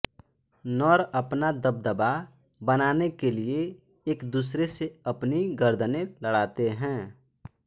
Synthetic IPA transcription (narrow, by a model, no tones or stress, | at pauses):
nɔːɾɐpnad̪əb̚d̪əba | bənaːnekelieː | kd̪uːsɾeseɐpniɡəɾd̪ənẽləɽaːt̪eɦɛ̃ː